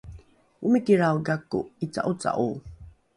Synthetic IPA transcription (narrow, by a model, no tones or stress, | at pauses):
umikiɾawɡakːṵit͡sa̰ʔut͡sa̰ʔu